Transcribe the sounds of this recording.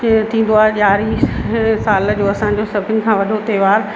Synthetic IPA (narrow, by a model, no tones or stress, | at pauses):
t̪ʰĩːn̆d̪oaːɦeʄaːɾiːsaːl̆d͡ʑoːɐsãɲ̆d͡ʑoːsɐbʱɪnɪ̆kʰãːʋɐɖʱot̪eːʋaːɾ